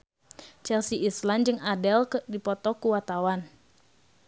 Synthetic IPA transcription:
t͡ʃɛlsiisland͡ʒɨŋadɛlkdipɔt̪ɔkuwat̪awan

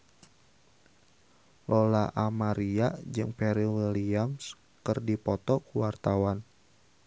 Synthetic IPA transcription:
lɔlaʔamaɾiad͡ʒɨŋpɛɾiwiliams | kɨrdipɔt̪ɔkuwart̪awan

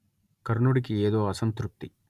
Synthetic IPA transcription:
kɐɾɳuɽikieːd̪o̞ːɐsɐnt̪ɾup̚t̪i

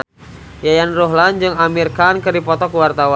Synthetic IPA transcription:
jajanroɦland͡ʒɨŋamirkankərdipɔt̪ɔkwart̪awa

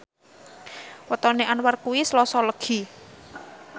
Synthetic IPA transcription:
wət̪ɔneʔanwarkuwislɔsɔləɡ̥i̤

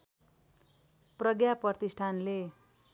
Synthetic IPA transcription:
prʌɡjaprʌrt̪isʈʰanle

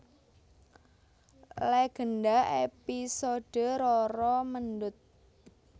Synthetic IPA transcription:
leɡ̥ə̤nɖaepisoɖ̥əɾɔɾɔməndʊt̪̚

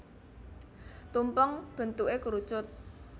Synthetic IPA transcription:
t̪umpɔŋb̥ə̤nt̪uʔekuɾu̥t͡ʃʊt̪̚

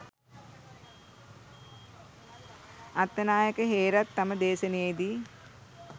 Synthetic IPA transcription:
at̪ːənaːjəkəɦeːɾat̪ːaməd̪eːsənəjejd̪iː

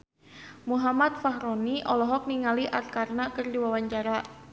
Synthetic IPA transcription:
muɦamat̪̚faɦɾɔniʔɔlɔɦɔk̚niŋaliʔar̚karnakərdiwawaɲt͡ʃaɾa

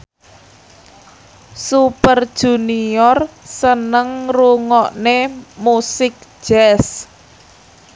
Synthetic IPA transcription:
supərd̥ʒ̥ṳniɔrsənəŋruŋɔʔnemusɪk̚ʒ̥ɛs

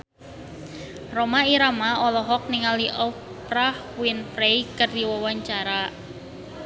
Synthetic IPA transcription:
romaiɾamaɔlɔɦɔk̚niŋaliʔɔ | pɾah | wɪnpɾejkərd̪iwɔwaɲt͡ʃaɾa

